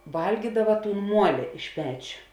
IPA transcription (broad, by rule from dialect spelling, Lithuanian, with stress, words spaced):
ˈʋɐlʲɡʲiːdɐʋɐ ˈtuːn ˈmuɔlʲɪ ɪʃ ˈpʲæːt͡ʃʲoː